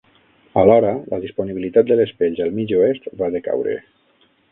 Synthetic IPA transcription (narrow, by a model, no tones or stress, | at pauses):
alɔɾələðisponiβilit̪at̪d̪elespeʎzalˠmid͡ʒoest̪βaðeka̰wɾḛ